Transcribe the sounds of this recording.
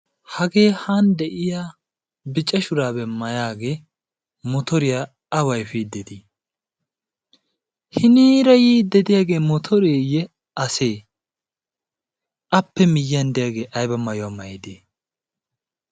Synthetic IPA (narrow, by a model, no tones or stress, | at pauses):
hɐɡeːhand̪ɛʔɪjaː | bɪt͡ʃʼːɐʃʊɾaːbɛmɐjaːɡe̞ː | mɔt̪ɔɾɪjaː | ɐwɐjfiːd̪ɛd̪iː | hɪniːɾɐjiːd̪ɛd̪ɪjaːɡe̞ːmɔt̪ʰɔɾeːjɛ | ɐseː | ʔɐpːɛmɪjːɐnd̪ɪjaɡe̞ːʔɐjbɐmɐjʊwaːmɐjɛd̪eː